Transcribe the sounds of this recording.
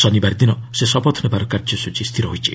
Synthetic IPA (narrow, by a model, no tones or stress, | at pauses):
sɔnibaɾid̪inɔsesɔbɔt̪ʰɔnebaɾɔkaɾd͡ʒɔsut͡ʃʰist̪ʰiɾɔɦojt͡ʃʰḭ